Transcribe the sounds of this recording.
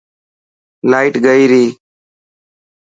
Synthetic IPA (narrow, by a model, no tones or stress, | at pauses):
laːɪʈɡəiːɾiː